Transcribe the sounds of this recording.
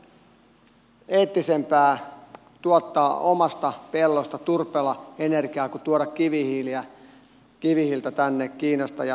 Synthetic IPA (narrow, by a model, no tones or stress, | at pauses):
eːt̪ːisempæː | t̪uot̪ːɑːʔomɑst̪ɑpelːost̪ɑt̪urpelɑenerɡiɑːkut̪uoɾɑkkiʋihiliæ | kiʋihilt̪æt̪ænːekkiːnɑst̪ɑjɑ